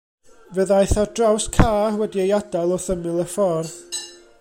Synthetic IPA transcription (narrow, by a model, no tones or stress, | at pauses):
vəðajθɔdrawskʰaːwɛdiejadalˠɔθəmɨlˠəfɔrð